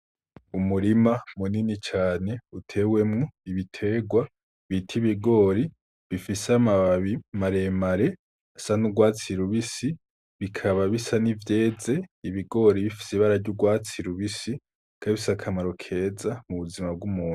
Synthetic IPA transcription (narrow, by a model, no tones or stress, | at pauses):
umuɾimamuninit͡ʃaːne̞utʰe̞we̞mŋoiβitʰe̞ːɡwa | βitʰiβiɡo̞ɾi | βifisamaimaɾe̞maɾe̞ | asanuɡwaːt͡siɾuβisi | βikʰaβaβisanivje̞ːze̞iβiɡo̞ɾiβifi̥siβaɾaɾɟuɡwaːt͡siɾuβisi | kʰaiβisakʰamaɾo̞kʰe̞ːzamuβuzimab̚ɡumuːnu̥